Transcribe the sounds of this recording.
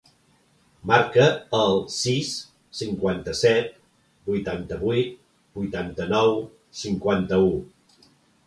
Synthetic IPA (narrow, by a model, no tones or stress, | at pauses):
maɾkəəlˠsisː | iŋkwant̪əsɛt̪̚ | bujt̪ant̪əβujt̪̚ | bujt̪ant̪ənɔw | siŋkwant̪əu